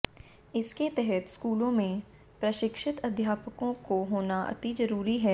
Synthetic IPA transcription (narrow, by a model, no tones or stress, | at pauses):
ɪsket̪ɛɦɛt̪skuːlõmẽ | pɾɐʃɪkʃɪt̪ɐd̪ʱjaːpəkõkoɦoːnaʔɐ̰t̪izɐɾuːɾiɦɛː